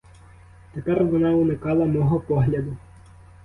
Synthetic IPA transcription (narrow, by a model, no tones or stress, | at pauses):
t̪epɛrʋɔnɑunɪkɑlˠɐmɔɦɔpɔɦlʲɐd̪ʊ